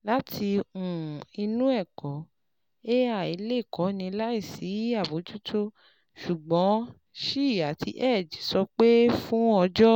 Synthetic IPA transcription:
la˦tʰi˧ũ˨i˧nũ˦ɛ˦˨kɔ˨˦ | e˦a˦˨i˨˧le˦˨kɔ˨˦nĩ˧la˦i˦˨si˨˦a˦˨bo˨˦d͡ʒu˦tʰo˦ | ʃu˨ɡ͡bɔ̃˨˦ | ʃi˦˨a˨tʰi˧ʔɛ˦˨d͡ʒi˨˦sɔ˧k͡pe˦fũ˦ɔ˧d͡ʒɔ˦

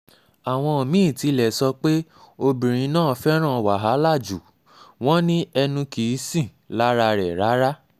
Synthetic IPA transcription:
a˨w̃ɔ̃˧o˨mĩ˦˨ti˧lɛ˨sɔ˧k͡pe˦o˧bĩ˨ɾ̃ĩ˧nãː˦˨˦fɛ˦ɾ̃ã˦˨wa˨ɦa˨˦la˦˨d͡ʒu˨ | w̃ɔ̃˦nĩ˦ɛ˧nũ˧ki˨˦sĩ˦˨ | la˦ɾa˧ɾɛ˨ɾa˨˦ɾa˦

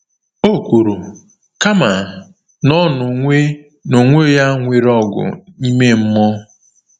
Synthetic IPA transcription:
o˦kʷu˨ɾu˨ | ka˦ma˨ | nɔ˦nʊ˨e˦ | no˨ŋʷe˦ja˦ŋʷe˨ɾɔ˦ɡʊ̰˨i˦me˦m̩˦mɔ˦

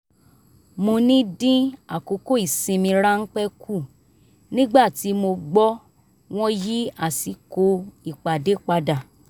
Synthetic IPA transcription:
mo˧nĩ˦dĩ˦a˨ko˨˦ko˦i˨sĩ˧mĩ˧ɾa˦n̩˦k͡pɛ˦kʰu˦˨ | nĩ˦ɡ͡ba˦˨ti˨˦mo˧ɡ͡bɔ˦ | w̃ɔ̃˦ji˦a˦˨si˨˦ko˧i˨k͡pa˨de˨˦k͡pa˧da˨

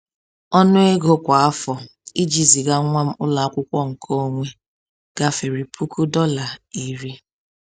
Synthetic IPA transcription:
ɔ˦nʊ˦e˦ɡo˦kʷa˨a˦fɔ˨ | i˦d͡ʒi˨zi˨ɡa˦ŋʷa˦m̩˦ʊ˦la˨a˦kʷʊ˦kʷɔ˦ŋ̩˨kʰo˦o˦ŋʷe˦ | ɡ̥a˦fe˨ɾi˨pʰu˦kʰu˦dɔ˦la˨i˨ɾi˦

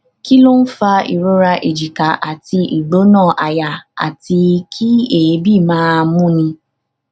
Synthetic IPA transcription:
ki˦lo˦n̩˦fa˧ḭ˨ɾo˨˦ɾa˧ʔe˨d͡ʒi˨ka˨˦ʔa˨ti˧ʔi˨ɡ͡bo˨˦nãː˦˨ʔa˨ja˨a̰˨ti˧kʰi˦e˦˨e˨˦bi˦˨mãː˦mũ˦nĩ˧

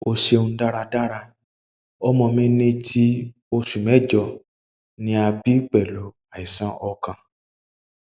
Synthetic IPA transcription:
o˧ʃe˧ũ˧˦da˦ɾa˧da˦ɾa˧ | ɔ˦mɔ̃˧mĩ˦nẽ˦tʰi˦ | o˧ʃu˨mɛ̃˨˦d͡ʒɔ˧˨ | nĩ˦a˧bi˦k͡pɛ˨lo˨˦ | a˨i˨sã˦ʔɔ˧kã˧

